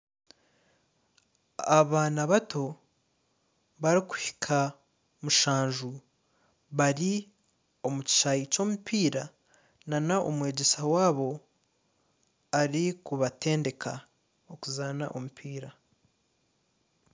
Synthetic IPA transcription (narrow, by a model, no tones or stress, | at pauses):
aβaːnaβato̞ | βaɾiku̥hi̥kʰa | muʃaːɲʒu | βaɾi | o̞muci̥ʃajico̞ːmupiːɾa | nanaʔo̰mwe̞ːɟe̞sawaːβo̞ | aɾikuβate̞ːnde̞kʰa̰ | okuzaːnaʔo̞mupʰiːɾa